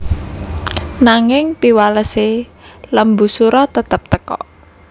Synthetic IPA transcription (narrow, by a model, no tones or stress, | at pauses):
naŋɪŋpiwaləseləmbṳsuɾɔt̪ət̪əp̚t̪əkɔ̰ʔ